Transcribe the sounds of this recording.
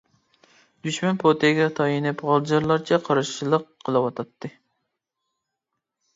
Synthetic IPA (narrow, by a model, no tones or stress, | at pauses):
d̪̥yʃmɛnpʰot̪ʰɪɡʲɛt̪ʰɑjinɪpʁɑlˠd͡ʒɑɾlˠɑɾt͡ʃʰɛqʰɑɾɨʃilˠəqʰːəlˠɨwɑt̪ʰɑt̪ːɨ